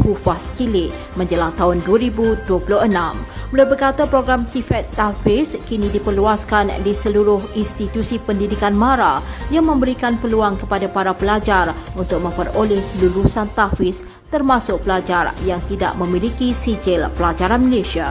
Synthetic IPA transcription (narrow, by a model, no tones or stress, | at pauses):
hufaskilɪʔ | mə̃ɲd͡ʒəlaŋt̪aɦʊnduəɾibuduəpulʊhənãmbəlawbərkat̪apɾoɡɾamt̪ifɛt̪ːafɪskinĩdipərluaskandisəluɾʊɦinst̪it̪usipəndidikanmãɾajaŋmə̃mbəɾikanpəluaŋkəpadapaɾapəlad͡ʒarunt̪ʊk̚mə̃mpərolɪhlulusant̪afɪs | t̪ərmãsʊk̚pəlad͡ʒarjaŋt̪ida̰ʔmə̃milikisid͡ʒɪlpəlad͡ʒaɾanməlesia